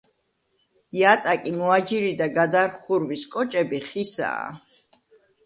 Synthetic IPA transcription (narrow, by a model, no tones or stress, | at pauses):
jat̪ʼakʼimɔad͡ʒiɾid̪aɡad̪aɾχuɾwiskʼɔt͡ʃʼɛbiχisa̰ː